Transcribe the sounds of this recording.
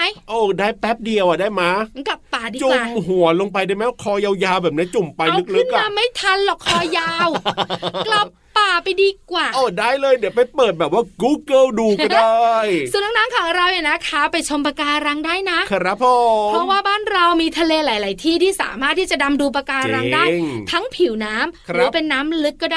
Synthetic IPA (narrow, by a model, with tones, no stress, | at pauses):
a˦˥jʔoː˧˩daː˥˩jpɛ˦˥p̚di˧əwʔa˨˩daː˥˩jma˦˥˧kla˨˩pːaː˨˩diː˧t͡ɕu˧˨˩mɦu˨˩˦ɐlo˧ŋpa˧jdaː˥˩jmɛ˦˥wkʰɔː˧ja˧wjaː˧wbɛː˨˩p̚ni˦˥t͡ɕu˨˩mpa˧jlɯ˦˥k̚lɯ˦˥kːa˧mːa˥˩jt̪ʰa˧nlɔ˨˩kʰːɔː˧jaː˧wkla˨˩pːaː˨˩pa˧jdiː˧kwaː˨˩ʔɔː˧˩daː˥˩jlɤː˧jdi˨˩˦pa˧jpɤː˨˩t̪̚bɛː˨˩waː˥˩ɡuː˦˥˩kɤː˥˩wduː˧˩kɔ˧˩daː˧jsu˨˩˦nːa˦˥ŋnaː˦˥mkʰaː˩˦ŋɾa˧wja˨˩na˦˥kʰa˦˥pa˧jt͡ɕʰo˧mpa˧kaː˧ɾa˧ŋdaː˥˩jna˦˥ʔkʰɾa˦˥pʰːo˨pʰɾɔ˦˥waː˥˩baː˥˩nɾa˧wmiː˧t̪ʰa˧leː˧laː˨˩˦jlaː˨˩˦jt̪ʰiː˥˩t̪ʰiː˥˩sa̰ː˩˦maː˥˩t̪ʰːiː˥˩t͡ɕa˨˩da˧mduː˧p̬a˧kaː˧ɾa˧ŋdaː˥˩ŋt̪ʰa˦˥ŋpʰi˨˩˦wnaː˦˥mɾpe˧nːaː˦˥mlɯ˦˥kːɔː˥˩daː˥˩